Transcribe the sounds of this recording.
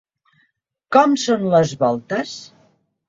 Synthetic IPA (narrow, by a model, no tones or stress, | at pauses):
kɔmsonləzβɔlˠt̪əs